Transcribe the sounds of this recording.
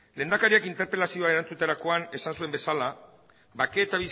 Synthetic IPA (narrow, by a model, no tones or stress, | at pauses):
lend̪akaɾiakint̪e̞ɾpe̞lasio̞ae̞ɾant͡sut̪eɾako̞ane̞sansue̞mbe̞sala | bakeːt̪aβis